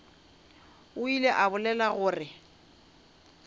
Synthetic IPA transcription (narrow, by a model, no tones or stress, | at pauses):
ʊileʔabʊlɛlaɣʊːrɪ